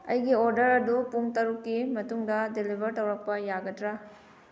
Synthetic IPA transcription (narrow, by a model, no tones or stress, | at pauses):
ɐjɡioɾdɐɾɐdupuŋtɐɾukːimɐtuŋdɐdelibʱɐɾtɐwɾɐk̚pɐjaɡɐtɾa